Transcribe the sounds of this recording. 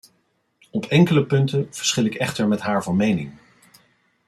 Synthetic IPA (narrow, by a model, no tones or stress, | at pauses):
ɔpɛŋkələpɵntənv̥əɹsχɪlɪkɛχtəɹmɛtɦaːɹvɑnmejnɪŋ